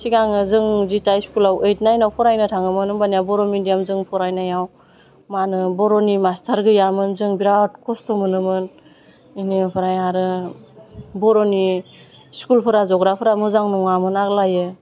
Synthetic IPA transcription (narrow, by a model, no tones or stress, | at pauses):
siɡaŋɯzɯŋzitajskulawejtnajnawpʰɔɾajnɯtʰaŋɯmɯnɯbanijabɔɾɔmidijamzɯŋpʰɔɾajnajaw | manɯbɔɾɔnimastʰaɾɡɯjamɯnzɯŋbiɾat̚kʰɔstɔmɯnɯmɯn | inipʰɯɾajaɾɯ | bɔɾɔni | skulpʰɯɾazɔɡɾapʰɯɾamɯzaŋnɔŋamɯnaklajɯ